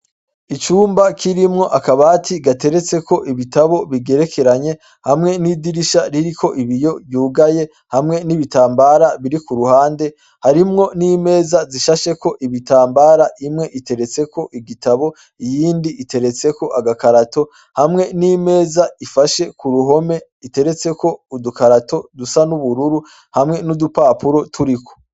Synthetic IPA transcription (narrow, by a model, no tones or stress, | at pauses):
it͡ʃuːmbakʰiɾimŋo̞ʔakaβaːtʰiɡate̞ɾe̞t͡se̞koʔiβitaβo̞βiɡe̞ɾe̞ke̞ɾaɲe̞ | hamŋe̞nidiɾiʃaɾiɾikʰo̞ʔiβijo̞βjuːɡaje̞ | hamŋe̞niβitaːmbaːɾaβiɾikuɾuhaːnde̞ | haɾimŋo̞niːme̞ːzaziʃaʃe̞ko̞ʔiβitaːmbaːɾaʔimŋe̞ʔite̞ɾe̞t͡se̞ko̞ʔiɡitaβo̞ | ijiːndiʔite̞ɾe̞t͡se̞ko̞ʔaɡakaɾato̞ | hamŋe̞niːme̞ːzaifaʃe̞kuɾuɦo̞me̞ | ite̞ɾe̞t͡se̞kʰo̞udukaɾato̞dusanuβuɾuɾu | hamŋe̞nudupaːpuɾo̞tʰuɾikʰo̥